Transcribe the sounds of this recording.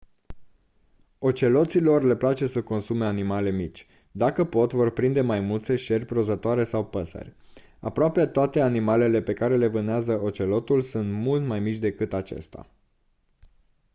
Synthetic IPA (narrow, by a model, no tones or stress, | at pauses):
o̞t͡ʃe̞lo̞t̪silo̞rle̞plat͡ʃe̞səko̞nsume̞animale̞mit͡ʃʲ | d̪akəpo̞t̪vo̞rpɾind̪e̞majmult̪se̞ʃe̞rʲpɾo̞zət̪oaɾe̞sawpəsə̰rʲ | a̰pɾoapet̪oat̪eanimale̞le̞pe̞kaɾe̞le̞vɨneazəo̞t͡ʃe̞lo̞t̪ulsunt̪mult̪majmit͡ʃʲd̪e̞kɨt̪at͡ʃe̞̰st̪a̰